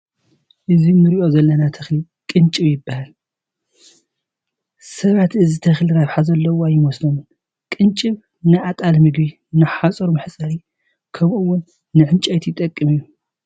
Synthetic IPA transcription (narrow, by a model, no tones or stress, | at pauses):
ʔɨzimɨɾiʔo̞zɐlːɐnat̪ʰɐxli | kʼɨnt͡ʃʼɨβjɪbːahal | sɐβat̪ɨzit̪ʰɐxliɾaβħazɐlːɐwoajːɪmɔslom | kʼɨnt͡ʃʼɨβ | nɨʔat̪ʼalmɨɡbi | nɨħat͡sʼɨɾumɨħt͡sʼɐɾi | kʰɐmɨwːʊnː | ɨʕɨnt͡ʃʼajt̪jɪt̪ʼɐkʼːɨmɨjːu